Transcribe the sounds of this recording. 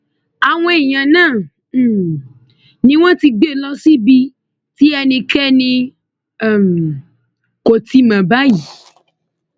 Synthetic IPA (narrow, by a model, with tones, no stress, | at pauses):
a˨w̃ɔ̃˧˦e˨j̃ã˨nãː˦˨˦ | nĩ˦w̃ɔ̃˦ti˧ɡ͡be˦˨lɔ˦si˦bi˧ | ti˦ɛ˧nĩ˧kɛ˦nĩ˧˦˨ | m˨ | ko˨ti˧mã˨ba˦ji˨˦